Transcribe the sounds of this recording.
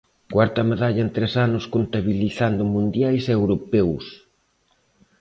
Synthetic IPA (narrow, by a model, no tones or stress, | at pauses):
kwaɾt̪ɐmeðaʎɐent̪ɾɛsanʊskont̪aβiliθand̪ʊmũnd̪jajsewɾopɛws